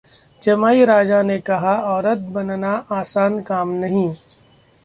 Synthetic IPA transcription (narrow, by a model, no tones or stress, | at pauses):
d͡ʒɐmaːiɾaːd͡ʒanekɐɦaɔːɾət̪̚bɐnnaʔaːsaːnkaːmnɐɦĩː